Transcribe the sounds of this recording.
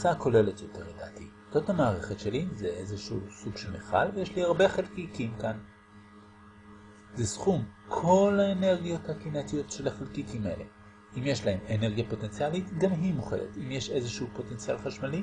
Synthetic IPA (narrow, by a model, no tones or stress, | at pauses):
sako̞le̞letjo̞te̞ʁleda̰ːtḭ | totamaːʁeχetʃelizeʔezeʃṵsuɡ̥ʃelmeχa̰lvejeʃliaʁbe̞χelkikimkan | zesχumkʰo̞laene̞ʁɡijo̞thakinatijo̞tʃelaχalkitimḛlḛ | imjeʃlaemene̞ʁɡijapo̞tent͡sialitɡamɦimoχedḛtimjeʃe̞zeʃuupo̞te̞nt͡sialχaʃmali